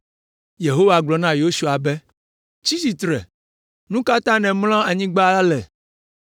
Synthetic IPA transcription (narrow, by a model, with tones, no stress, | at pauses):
je˨ɦo˦wa˨ɡ͡blɔ˨nã˦jo˦su˨a˨bɛ˦ | t͡ʃi˦si˨t̪ɾɛ̰˨ | nũ˦ka˦t̪ã˦nɛ̃˨ml̃ã˦a˨ɲĩ˦ɡ͡ba˦la˦lɛ˨